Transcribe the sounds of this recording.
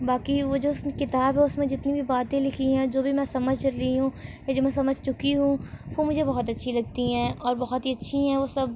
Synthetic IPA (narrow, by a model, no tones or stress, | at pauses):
baːkiʋod͡ʒoːʊsmẽkɪt̪aːbɦɛʊsmẽd͡ʒɪt̪nibʱibaːt̪ẽlɪkʰiɦɛ̃d͡ʒoːbʱimɛ̃sɐməd͡ʒʱɐɾlɐiɦũːjad͡ʒoːmɛ̃s̬ɐməd͡ʒʱt͡ʃʊkiɦũʋomʊd͡ʒʱebɔɦɔt̪ɐtːʃʰilɐɡ̚t̪iɦɛ̃ːɔːɾbɐɦɔt̪ɦiɐtːʃʰiɦɛ̃ʋosɐb̚